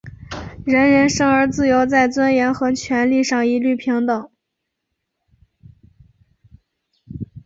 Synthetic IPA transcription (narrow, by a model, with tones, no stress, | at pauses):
ɻə˧˥nɻə˧˥nʂɤ˥ŋə˞˧˥t͡sɹ̩˥˩jo˧˥ʊt͡sa˥˩ɪt͡swa˥njɛ˧˥nxɤ˧˥t͡ɕʰɥɛ˧˥nli˥˧ʂɑ˥˩ŋi˧˥ly˥˩pʰi˧˥ŋt̪ɤ˨˩˦ŋ